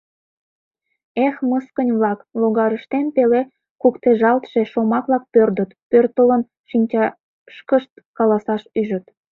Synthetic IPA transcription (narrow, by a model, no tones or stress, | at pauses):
exməskənʲβlɑkloɣɑɾəʃt̪enpele | kukt̪eʒɑlt̪ʃeʃomɑklɑk̚pørd̪ət̪pørt̪ələn | ʃinʲt͡ɕɑ | ʃkəʃt̪̚ | kɑlɑsɑʃyʒət̪